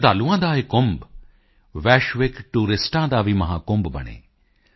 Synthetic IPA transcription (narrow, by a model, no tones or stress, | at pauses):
d̪aːluãːd̪aːɦekʊmb | ʋɛːʃʋɪkʈuːɾɪsʈãːd̪aːʋimɐɦa̰ːkʊmbbɐ̰ɽ̃ḛː